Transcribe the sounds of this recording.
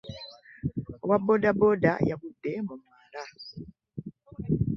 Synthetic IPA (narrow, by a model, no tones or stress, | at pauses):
wabodaboda̰jaβudːemumaːla